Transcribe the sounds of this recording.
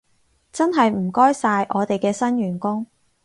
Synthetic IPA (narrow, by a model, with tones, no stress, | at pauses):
t͡sɐ˥nɦɐ˨jm̩˨˩kɔː˥jsaː˧jʔɔː˨˧t̪e˨jkɛː˧sɐ˥nɥyː˨˩nkʊ˥ŋ